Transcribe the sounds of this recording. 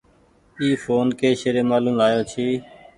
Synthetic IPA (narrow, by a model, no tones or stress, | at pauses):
iːfoːnkeːʃeɾeːmaːlũːmlaːjoːt͡ʃʰiː